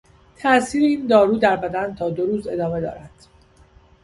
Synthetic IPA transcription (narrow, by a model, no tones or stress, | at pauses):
t̪ʰæʔsiːɾeiːnd̪ɒːɾuːd̪æɾbæd̪ænt̪ʰɒːd̪o̞ɾuːze̞d̪ɒːme̞d̪ɒ̰ːɾæd̪̥